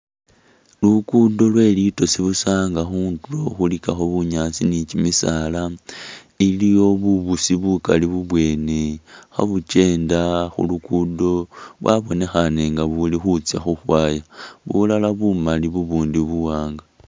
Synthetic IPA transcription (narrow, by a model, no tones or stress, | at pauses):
lukudo̞lwe̞lito̞siβusaːŋɡaxuːntuloxulikaxoβuɲat͡sinit͡ʃimisala | ilijo̞βuβusiβukaliβuβwe̞ːnexa̰βut͡ʃe̞ːndaxṵlukudo̞βwa̰βo̞ne̞xane̞ŋɡaβulixut͡sjaxuxwaːjaβṵlalaβumaliβuβuːndiβuwaːŋɡa